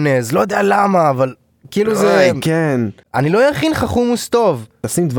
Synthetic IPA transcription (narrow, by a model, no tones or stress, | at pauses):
nezlo̞jod̪ealamaːval | kiːluzeken | anilo̞jaχinχaχumust̪o̞vasimd̪v